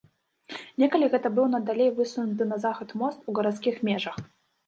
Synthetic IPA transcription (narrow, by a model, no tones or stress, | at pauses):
nʲekəlʲɪɣɛt̪əbɨlˠnɐd̪ɐlʲejvɨsɨnʊt̪̬ɨnɐzaxət̪most̪uɡəɾɐt̪skʲixmʲeʐəx